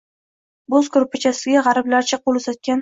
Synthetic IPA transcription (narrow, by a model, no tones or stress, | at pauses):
bozkʊɾpʰat͡ʃʰasɪɡʲaʁɑɾɪblaɾt͡ʃʰaqolˠɵzat̪̚kʲan